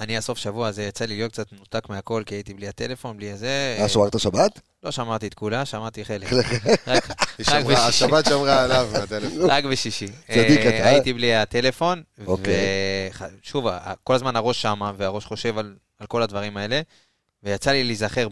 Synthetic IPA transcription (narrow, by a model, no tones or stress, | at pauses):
aniaso̞fʃavuazejat͡saliot̪kt͡sat̪nut̪akmeako̞lkiait̪ibliat̪e̞le̞fo̞nbliazeaʃamaʁt̪aʃabat̪ | lo̞ʃamaʁt̪iet̪kulaʃamaʁt̪iχeleeakʃʁakbeʃabat̪ʃamʁaelavmeat̪elefoʁakbeʃiʃiiajit̪ibliat̪e̞le̞fo̞novkeeχaʃuvaa̰ko̞lazmanaʁo̞ʃːamaveaʁoʃχo̞ʃe̞val | alko̞lad̪vaʁimae̞le̞ | vejat͡salilizaχe̞ʁ